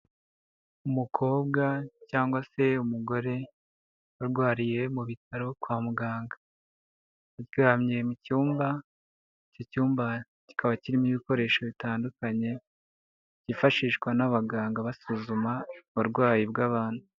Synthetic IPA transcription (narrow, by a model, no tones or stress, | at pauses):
umukʰo̞ːb̚ɡacaːŋɡwase̞umuɡo̞ɾe̞ | aɾɡwaːɾije̞muβitʰaɾo̞kwaːmuɡaːŋɡa | acɡaːmɲe̞mucuːmba | ico̞cuːmba | ci̥kʰaβaciɾimiβiko̞ɾe̞ːʃo̞βitaːndukaɲe̞ | cifaʃiːʃkwanaβaɡaːŋɡaβasuzumaβuɾɡwaːjibɡaːβaːn̥hu